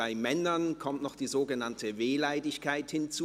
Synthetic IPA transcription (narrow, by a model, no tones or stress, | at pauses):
aɪmɛnɐnkʰɔmtnɔχd̥iːzoːɡənantʰəveːlaɪdɪçkaɪthɪnt͡su